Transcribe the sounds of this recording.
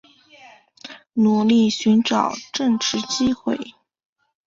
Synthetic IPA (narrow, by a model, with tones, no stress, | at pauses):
nu˨˩li˥˩ɕy˧˥nʈ͡ʂɑ˨˩ʊʈ͡ʂɤ˥˩ŋʈ͡ʂɻ̩˥t͡ɕi˥xwe˥˩ɪ